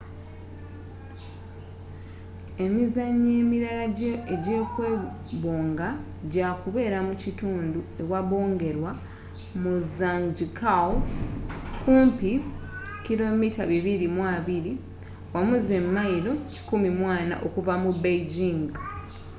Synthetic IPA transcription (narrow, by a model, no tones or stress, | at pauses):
e̞mizaɲːe̞ːmiɾalaeɟe̞ːkwe̞ː | βoːŋɡa | ɟakuβe̞ːɾamucituːndue̞waβo̞ːŋɡe̞ɾwa | muzaŋɟikʰaw | kuːmpi | kilo̞mitaβiβiɾimwaβiɾi | wamuze̞mːajiɾo̞ci̥kumimwaːna̰ʔo̞kuvamubejɟiŋɡ